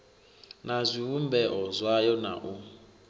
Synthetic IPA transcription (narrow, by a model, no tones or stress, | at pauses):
nazʷiwumbɛʔɔzwajɔna̰ʔu